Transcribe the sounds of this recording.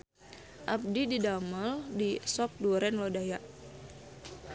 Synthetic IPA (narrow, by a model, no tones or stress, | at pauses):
ʔap̚dididaməldisɔp̚duɾɛnlodajaʔ